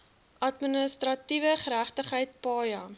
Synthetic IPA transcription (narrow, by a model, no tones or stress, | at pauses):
ʔɐtminəstrɐtivəχəɾæχtəχɦəjt̚pɑːjɐ